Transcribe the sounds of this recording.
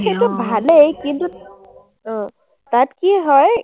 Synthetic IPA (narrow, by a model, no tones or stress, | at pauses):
etubʱalekint̪u | ɦɔ̃ | t̪at̪kiɦɔj